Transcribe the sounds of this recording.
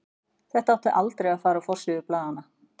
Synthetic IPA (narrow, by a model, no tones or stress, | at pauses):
θɛht̪aawt̪aʔalt̪ɾɛjɣafaːɾaɔfɔr̥sɪʏɾplaːðanːa